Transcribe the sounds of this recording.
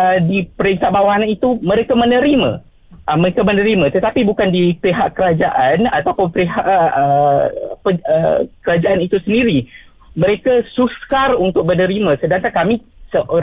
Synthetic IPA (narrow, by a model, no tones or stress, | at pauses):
ədipəɾint̪aʔbawaɦanit̪umə̃ɾekamənəɾimã̰ | ʔəməɾekamənəɾimãt̪ət̪apibukandipeɦaʔkəɾad͡ʒaʔanat̪apʊnpeɦaʔʔə | pəə̰kəɾad͡ʒaʔanit̪usəndiɾi | mə̃ɾekasuskarunt̪ʊk̚bənəɾimãsədaŋkankami | səʔo